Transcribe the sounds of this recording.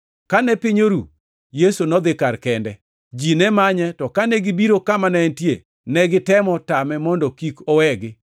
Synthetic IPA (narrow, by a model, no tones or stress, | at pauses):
kanɛpɪɲoɾu | jesonɔd̪ɪkaɾkɛndɛ | d͡ʒinɛmaɲɛtɔkanɛɡɪbiɾokamanɛntjḛ | nɛɡɪtɛmɔtamɛmɔndɔkikɔwɛɡɪ